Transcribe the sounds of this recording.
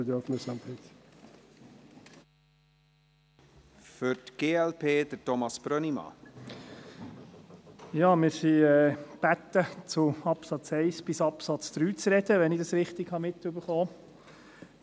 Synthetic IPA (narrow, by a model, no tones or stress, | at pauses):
əd̪ɛfnəsɑmtʰɛt | fʏɾtɡ̥eːɛlpʰeːd̪̥ətɔmɑsb̥ɾœnimɑ̰ | jɑːmɪːɾsiɛːb̥æt̪ːət͡sʊɑpsɑt͡sɛɪsb̥ɪsɑpsɑt͡sd̪̥ɾyːt͡sɾɛd̪̥əʋɛnɪdɑsɾɪχt̪ɪɡ̥hɑmɪt̪ːʉbəɾχoː